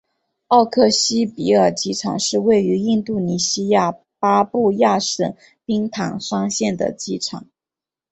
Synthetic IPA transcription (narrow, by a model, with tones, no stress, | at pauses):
ɑ˥˧ʊkʰɤ˥˩ɕi˥pi˧˥ə˞˨˩t͡ɕi˥˩ʈ͡ʂʰɑ̰˨˩˦ŋʂɻ̩˥˧we˥˩ɪy˧˥i˥˧nt̪u˥˩ni˧˥ɕi˥ja˥˩ | pa˥pu˥˧ja˥˩ʂə˨˩n | pi˥ŋt̪ʰɑ˨˩˦ŋʂɑ˥ŋɕjɛ˥˩nd̪ə̰˩t͡ɕi˥˩ʈ͡ʂʰɑ̰˨˩˦ŋ